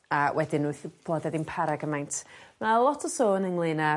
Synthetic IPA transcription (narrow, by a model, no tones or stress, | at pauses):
awʔɛdɪnuθb̥lˠɔdɛdɪnpʰaɾaɡəmajntʰmalˠɔtʰɔsoːnəŋlˠina